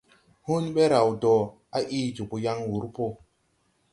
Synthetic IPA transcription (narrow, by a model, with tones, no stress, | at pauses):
hu˦nɓe˦ɾa˨wdɔ˨ | a˦ʔiː˦d͡ʒu˨ku˨ja˦ŋwu˨˦ɾpo˦